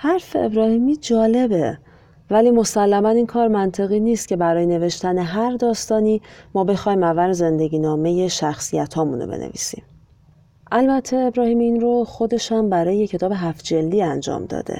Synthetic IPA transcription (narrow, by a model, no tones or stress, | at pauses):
hæɾfeebɾɒːhiːmiːd͡ʒɒːle̞be̞ | væliːmo̞sælːæmæniːnkʰɒːɾmænt̪ʰe̞ɣiːniːst̪cʲʰe̞bæɾɒːjene̞ve̞ʃt̪æne̞ɦæɾd̪ɒːst̪ɒːniːmɒːbe̞xɒːjimævæɾze̞nd̪e̞ɟiːnɒːme̞je̞ʃæxsijæt̪ʰɒːmuno̰bḛnḛvḭːsḭːm | ʔælbæt̪ʰːe̞ːbɾɒːhiːmiːnɾoxo̞d̪e̞ʃhæmbæɾɒːjeecʰe̞t̪ɒːbe̞ɦæfd͡ʒe̞lːiːænd͡ʒɒ̰ːmd̪ɒ̰ːd̪ḛ